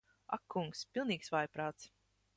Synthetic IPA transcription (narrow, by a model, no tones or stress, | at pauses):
a̰kʰːuŋkspʲilˠniːksvajpɾaːt̪s